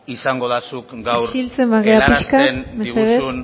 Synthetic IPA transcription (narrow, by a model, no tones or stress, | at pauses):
isaŋɡoðasukɡawɾilt͡se̞mbaɣeapiʃkanmeeðesun